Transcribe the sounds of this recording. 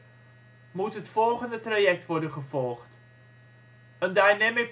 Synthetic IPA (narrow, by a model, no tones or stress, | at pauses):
mutɦətfɔlˠχəndətrajɛk̚tʋɔrdənχəvɔlˠχt | əndajnɛmɪ